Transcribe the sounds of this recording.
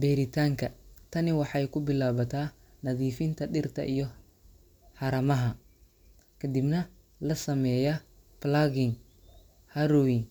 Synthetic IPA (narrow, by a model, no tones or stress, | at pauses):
bɛːɾɪt̪ʰaːŋkʰɐt̪ʰɐnɪwɑħɑjkʰʊbɪlaːβɐt̪ʰaː | nɐðiːfɪnt̪ʰɐɗɪrt̪ʰɐ̰ʔijɔ | ħɑɾɐmɐɦɐ | kʰɐd̪ibnɐ | lɐsɐmɛjɐ | plaɡɪŋ | hɐɾʊwɪŋ